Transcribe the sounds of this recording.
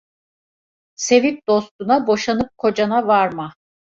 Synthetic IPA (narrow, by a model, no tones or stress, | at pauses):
se̞vip̚d̪o̞st̪unabo̞ʃanɯp̚kʰo̞d͡ʒanavaɾma